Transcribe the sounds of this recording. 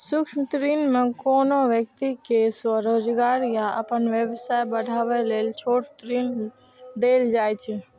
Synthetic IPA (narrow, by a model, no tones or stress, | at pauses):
sukʃmt̪ɾinmekonoʋjək̚t̪ikeswəɾod͡ʒɡaɾjaə̰pənʋebsajbəɽʱabɛlelt͡ʃʰoʈt̪ɾin | d̪eld͡ʒajt͡ʃʰɛ